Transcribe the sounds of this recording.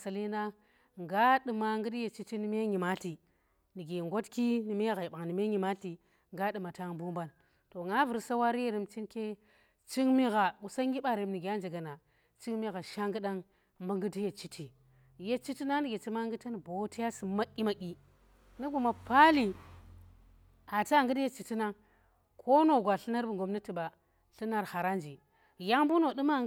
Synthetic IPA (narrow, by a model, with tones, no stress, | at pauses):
sa˨li˦na˦ | ŋɡa˦ɗɨ˨ma˨ŋɡɨ˦di˦je˨t͡ʃi˦ti˦ni˦m˦e˦ɲi˨ma˦ti˨ | ni˨ɡe˨ŋɡo˦tki˦ni˨m˦ɣa˨i˨ɓa˨ŋni˨m˦e˦ɲi˨ma˦ti˨ | ŋɡa˦ɗɨ˨ma˨ta˦ŋbu˦mba˦n | to˨ŋa˦vu˨ɾsa˦wa˦ɾi˦je˦ɾi˦mt͡ʃi˦nke˦ | t͡ʃi˦ŋmi˦ɣa˨u˨sa˦ŋɡi˦ɓa˨ɾe˨˦mni˨ɡe˨ja˦nd͡ʒe˨ɡa˨na˨ | t͡ʃi˦ŋmi˦ɣa˨ʃa˦ŋɡɨ˦ɗa˦ŋ | mba˦ŋɡu˦di˦je˨t͡ʃi˦tʰi˨ | je˦t͡ʃi˦ti˦na˦ŋn˦ɡʲe˨t͡ʃi˦ma˦ŋɡɨ˦ta˦n˨bo˨˦ti˦ja˦si˨ma˦ʔʲi˦ma˨ʔʲi˨ | ni˦ɡu˨ma˨pa˦li˨ | a˨ta˦˨ŋɡɨ˦dje˦t͡ʃi˨ti˦na˦ŋ | kʰo˦no˨ɡʷa˨ɬi˦na˦ɾbu˨ŋɡo˨mni˦ti˨ba˨ | ɬi˦na˦ɾha˨ɾa˦nd͡ʒi˨ | ja˦ŋbu˦no˨du˦ma˦